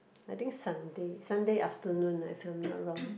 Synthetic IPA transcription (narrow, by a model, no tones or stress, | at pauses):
ajt̪ĩŋksãndesãndeʔaftənũnajfimnɔ̰t̚ɹɔ̃ŋ